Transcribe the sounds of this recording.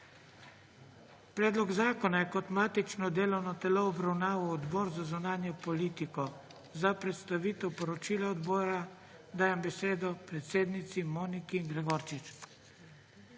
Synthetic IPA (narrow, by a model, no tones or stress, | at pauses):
pɾɛːd̪lɔɡzaːkɔnajɛkɔt̪maːt̪it͡ʃnɔd̪eːlɔwnɔt̪ɛloɔbɾawnaːʋawɔd̪bɔːɾzazunaːnjɔpɔliːt̪ikɔ | zapɾɛt̪st̪aʋiːt̪ɛwpɔɾɔt͡ʃilaɔd̪bɔːɾa | d̪aːjɛmbɛseːd̪ɔpɾɛt̪seːd̪nit̪simoːnikiːŋɡɾɛɡɔɾt͡ʃit͡ʃ